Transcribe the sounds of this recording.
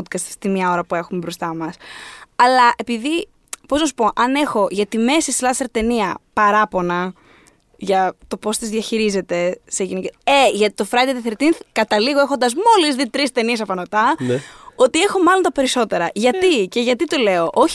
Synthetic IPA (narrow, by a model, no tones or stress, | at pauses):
ot̪kɐst̪st̪inmɲɐo̞ɾɐpue̞xumebɾost̪ɐmɐsɐlɐʔe̞piði | poznɐsu̥po̞ʔɐne̞xo̞ʝɐt̪ime̞sist̪i̥lɐseɾt̪e̞niɐpɐɾɐpo̞nɐ | ʝɐt̪o̞po̞st̪izðʝɐçiɾize̞t̪e̞seʝiniceeʝɐt̪i̥t̪ofɾɐjd̪eðiθeɾt̪inθkɐt̪ɐliɣoe̞xo̞nd̪ɐzmo̞lizðit̪ɾist̪e̞nie̞sɐpɐnot̪ɐ | o̞t̪ie̞xo̞mɐlo̞nt̪ɐpe̞ɾiso̞t̪e̞ɾɐʝɐt̪ice̞ʝɐt̪it̪o̞le̞o̞ʔo